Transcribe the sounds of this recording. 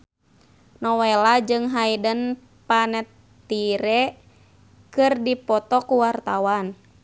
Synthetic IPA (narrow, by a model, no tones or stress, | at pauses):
nɔwɛlad͡ʒɨŋɦaidən | panɛt̪ː | iɾɛ | kɨrdipɔt̪ɔkuwart̪awan